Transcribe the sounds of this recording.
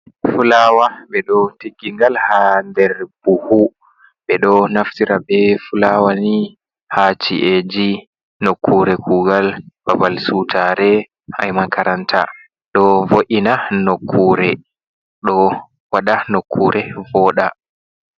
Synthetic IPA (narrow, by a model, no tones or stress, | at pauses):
fulawaɓɛɗɔteɡiŋɡalhandɛɾb̥uhu | ɓɛɗɔnaftiɾabɛfulawani | hat͡ʃiʔed͡ʒi | nokʰːuːɾɛkʰuːɡalbabalsutʰaɾɛ | ha̰jmakaɾantʰa̰ | ɗɔvoʔinanokʰːuːɾɛ | ɗɔ | waɗanokʰːuːɾʔɛvɔɗa